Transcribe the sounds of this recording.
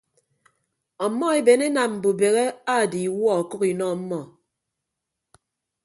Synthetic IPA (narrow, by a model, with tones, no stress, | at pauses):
ɔ˨˦mːɔ˦e˦˨be˨ne˦na˨m̩˨bu˨be˨ɣe˦a˦˨di˨wɔ˦ɔ˨ku˦ki˨nɔ˦˨m̩˦mɔ˦˨